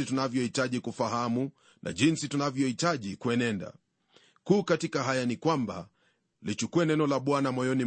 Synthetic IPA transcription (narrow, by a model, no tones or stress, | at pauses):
itunavjɔhitaʄikufaɦamu | nʔa̰ʄinsitunavjɔhitaʄikwɛnɛnda̰ | kuːkatikaɦajanikwamba̰ | lit͡ʃukuɛnɛnɔlaɓwanamɔjɔni